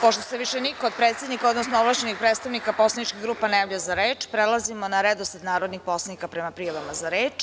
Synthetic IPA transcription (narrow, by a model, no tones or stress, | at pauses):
poʃt̪oseʋiʃenikood̪̚pɾet̪se̞d̪nikaod̪nosnooblˠat͡ɕenixpɾet̪st̪aʋnikapo̞slˠanit͡ʃkiɣɡɾuːpanajaːvʎajzaɾeːt͡ʃpɾelˠazimonaɾed̪osat̪naːɾod̪nixpo̞slˠanikapɾemapɾijaʋamazaɾeːt͡ʃ